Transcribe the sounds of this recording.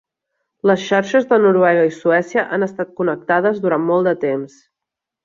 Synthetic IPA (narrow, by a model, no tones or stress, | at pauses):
ləsʃaɾʃəzðənuɾuwɛɣəisuɛsiəʔanəst̪at̪̚kunək̚t̪aðəzðuɾanmɔlˠd̪ət̪ems